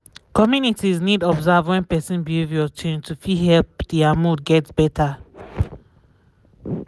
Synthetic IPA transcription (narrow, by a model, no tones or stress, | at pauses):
kɔmjunitiznidɔbzavwɛ̃npɛsĩnbievjɔt͡ʃẽntʰufiɦɛlpd̥iamudɡɛtb̥ɛtʰa